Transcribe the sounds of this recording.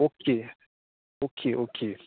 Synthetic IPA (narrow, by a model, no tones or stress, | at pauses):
okʰe | okʰeʔokʰe